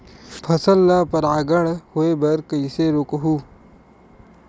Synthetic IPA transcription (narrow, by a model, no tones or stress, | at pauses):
pʰɐsɐlːapɐɾaːɡɐɽhoebɐɾkɐiseɾokɐɦuː